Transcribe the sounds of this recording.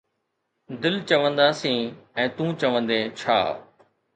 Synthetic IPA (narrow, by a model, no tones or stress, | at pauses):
d̪ɪlt͡ɕɐʋə̃nd̪aːsĩːɛ̃ːt̪ũːt͡ɕɐʋə̃nd̪eːt͡ɕʰa̰ː